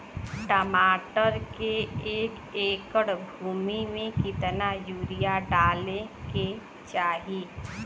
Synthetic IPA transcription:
ʈəmaːʈəɾkeeːk | eːkəɽbʱuːmimẽkɪt̪najuːɾijaɖaːlẽke | t͡ʃaːɦi

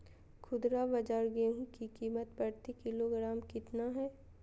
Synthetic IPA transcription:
kʰʊd̪ɾabɐd͡ʒaːɾɡeːɦũkikiːmət̪pɐɾt̪ikɪloɡɾaːmkɪt̪naɦɛː

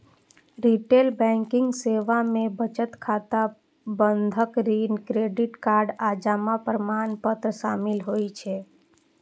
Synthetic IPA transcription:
ɾiʈelbɛ̃ŋkɪŋɡseʋamẽbət͡ʃət̪kʰat̪a | bənd̪ʱəkɾinkɾeɖiʈkaɾɖad͡ʒamapɾəmanpət̪ɾəʃamilɦojt͡ʃʰe

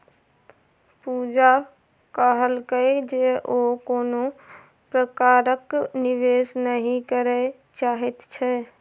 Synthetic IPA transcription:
pud͡ʒa | kəɦəlkəjd͡ʒeʔokoːno | pɾəkaɾəkniʋesnəɦĩkəɾɛ | t͡ʃaːɦɛt̪t͡ʃʰɛ

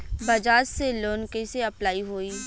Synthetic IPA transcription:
bɐd͡ʒaːd͡ʒseloːnkeseɐplaːiɦoːiː

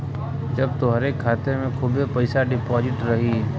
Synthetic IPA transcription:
d͡ʒɐbt̪oɦɐɾeːkʰːaːt̪emẽkʰuːbepɐɪsaɖɪpɔːd͡ʒɪʈɾɐɦi

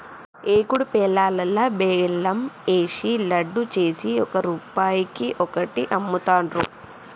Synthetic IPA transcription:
eːkuɽupɛːlaːlɐlːɐbeːlːɐmeːʂilɐɖːut͡ʃe̞ːsiɔkɐɾuːpaːjikiʔɔkɐʈiʔɐmːut̪aːɳɾṵ

